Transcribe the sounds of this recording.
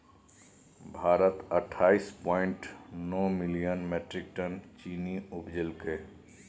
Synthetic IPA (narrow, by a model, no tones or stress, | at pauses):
bʱaːɾət̪əʈʰːaːispɔ̃ːɪ̃ɳʈnɔːmɪlijənmeːʈɾɪk̚ʈənt͡ʃiːniʊpd͡ʒɪlke